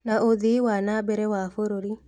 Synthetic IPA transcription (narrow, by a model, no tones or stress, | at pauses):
naoðiwanabɛɾɛwafoɾoɾi